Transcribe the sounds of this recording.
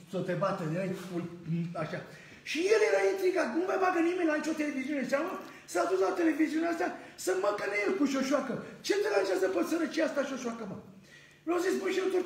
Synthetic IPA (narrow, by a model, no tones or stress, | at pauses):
sot̪ebat̪əd̪ejfulaʃa | ʃijeljeɾaint̪ɾiɡat̪numajbaɡənimenʲlait͡ʃo̞t̪e̞le̞viziune̞sʲamə | saaːd̪uslat̪ele̞viziuneast̪asəməkəneerpuʃio̞ʃwakət͡ʃe̞d̪əɾaʒazəpot̪səɾət͡ʃiast̪aʃio̞ʃwakəmə | vazisbunʃit̪uɾ